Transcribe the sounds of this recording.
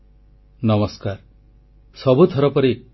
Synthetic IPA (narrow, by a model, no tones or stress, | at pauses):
nɔmɔskaɾ | sɔbut̪ʰɔɾɔpɔɾi